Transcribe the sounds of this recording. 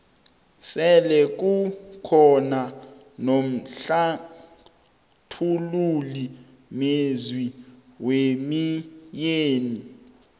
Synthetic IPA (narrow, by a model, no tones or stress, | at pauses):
sɛlɛk̬ukʰɔna | nom̩ɬa | tʰululi | mezwiwemijeːni